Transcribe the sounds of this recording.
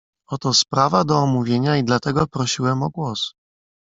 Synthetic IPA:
ɔt̪ɔspɾavad̪ɔːmuvʲjeɲaid̪lat̪ɛɡɔpɾɔɕiwɛmɔɡwɔs

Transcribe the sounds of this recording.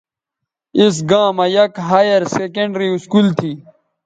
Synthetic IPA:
is̬ɡãːmajɐkɦaːjɐɾsekeɳɖɾiuskuːlt̪ʰiː

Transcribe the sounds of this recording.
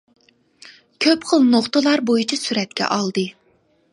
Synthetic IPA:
kʲʰøpχəlˠnoχt̪əlˠɑɾbojut͡ʃʰisyɾɛt̪̚kʲɛ̰ʔɑlˠd̪ɨ

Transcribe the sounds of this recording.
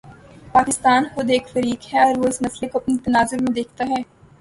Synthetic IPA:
paːkɪst̪aːnxʊd̪eːkfɐɾiːkhɛɔːɾʋoɪsmɐslekoɐpnit̪ɐnaːzʊɾmẽd̪eːk̚ʰt̪aɦɛː

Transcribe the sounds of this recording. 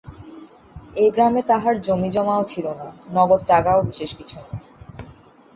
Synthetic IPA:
eɡɾamet̪aɦaɾd͡ʑomid͡ʑɔmaot͡ɕʰilonanɔɡod̪̚ʈakaobiʃeʃkit͡ɕʰuna

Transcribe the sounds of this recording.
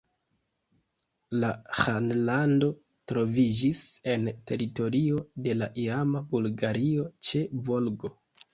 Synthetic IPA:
lahanlando̞ | tɾo̞vid͡ʒise̞nte̞ɾito̞ɾio̞de̞laʔiamabulɡaɾio̞t͡ʃe̞vo̞lɡo̞

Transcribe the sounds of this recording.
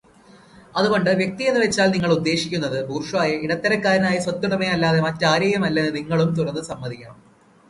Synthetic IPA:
ɐðuɣo̞ɳɖɨʋje̞k̚t̪ijenːuʋe̞t͡ɕːaːlniŋːɐɭud̪ːe̞ːɕi̥kʲːunːɐðɨbuːrʂʋaːjɐiɽɐt̪ːɐɾɐkːaːɾɐnaːjɐswɐt̪ːjuɽɐmejɐlːaːðe̞mɐtːaːɾɐjɐmɐlːɐnːɨniŋːɐɭumt̪urɐnːɨsɐmːɐðikʲːaːɳ

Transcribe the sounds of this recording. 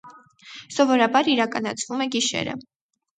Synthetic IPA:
sɔvɔɾɑbɑɾiɾɑkɑnɑt͡sʰvumɛɡiʃɛ̰ɾə̰

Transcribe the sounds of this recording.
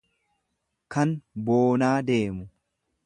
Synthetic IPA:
kɐnboːnaːd̪e̞ːmʊ

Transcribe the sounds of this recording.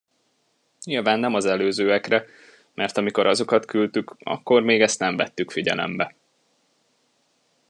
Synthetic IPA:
ɲilvaːnːɛmɒzɛløːzøːɛkrɛ | mʔɛrt̪ɒmiko̞ɾɒzo̞kɒt̪kylt̪ykɒ̰kːo̞rmeːɡɛst̪nɛɱvɛt̪ːykfiɟɛ̰lɛ̰mbɛ

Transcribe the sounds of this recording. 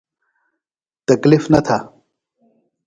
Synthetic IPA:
t̪ɐklifnɐt̪ʰa

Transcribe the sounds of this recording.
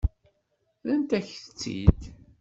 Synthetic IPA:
ðənt̪æçθə̥t͡sːḭd̪

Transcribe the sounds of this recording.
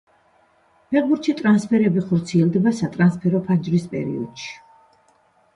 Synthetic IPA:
pʰɛʁbuɾt̪ʃit̪ʼɾanspʰɛɾɛbiχɔɾt̪sʰiɛlˠd̪ɛbasat̪ʼɾanspʰɛɾɔpʰand͡ʒɾispʼɛ̰ɾḭɔ̰d̪̥ʃi̥

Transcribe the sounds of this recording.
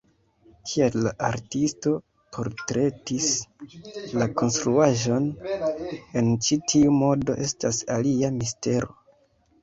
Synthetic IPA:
kʰialaʔaɾtisto̞ | pʰo̞ɾtɾe̞tis | lako̞nstɾuaʒo̞n | e̞nt͡ʃitʰiumo̞do̞̰ʔe̞stasaliamiste̞ɾo̞̰

